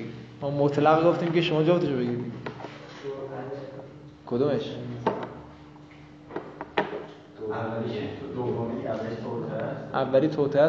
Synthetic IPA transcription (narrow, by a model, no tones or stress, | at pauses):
mɔmot̪ʰlæɣɡoft̪iːmkʲʰeʃomɒːd͡ʒɒːbt̪eʃobeɡiɾi | kʰod̪omeʃ | t̪ʰot̪ʰesʔævːæliːt̪ʰot̪ʰeæ